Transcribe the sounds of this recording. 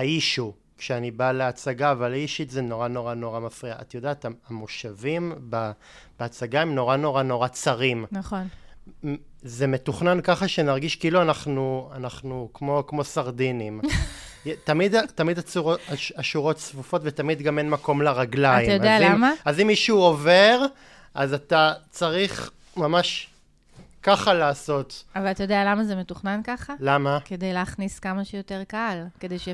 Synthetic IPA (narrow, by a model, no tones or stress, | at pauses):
aiʃu | kʃeanibaleat͡saɡaːvalaiʃitzeno̞ʁanoʁano̞ʁamafʁia̰ʔːtjo̞d̪eaːt̪aamoʃavimba | b̥eat͡saɡaemno̞ʁano̞ʁano̞ʁat͡saʁimnaχon | zemetuχnankaχaʃe̞naʁɡiʃkiiluanaχnuanaχnukmo̞kmo̞saʁdinimjtamidtamidat͡suʁoaaʃuʁo̞tsvufo̞tvetamidɡame̞nmako̞mleʁaɡlaaimajoadezalimmaazimːiʃuove̞ʁ | ʔazatat͡saʁiχ | mamaʃ | kaχalaːso̞tavalat̪ajo̞d̪ejalamazemetuχnankaχalamake̞dejleːχniskamaʃejoteʁkalkedejʃe